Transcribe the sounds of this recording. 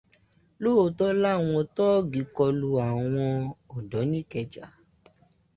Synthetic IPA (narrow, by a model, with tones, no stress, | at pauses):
lo˦o˧˨tɔ˦la˦˨w̃ɔ̃˧tɔ˦ɡi˨kɔ˧lu˧a˨w̃ɔ̃˧ɔ˨dɔ˨˦nĩ˦kɛ˧d͡ʒa˨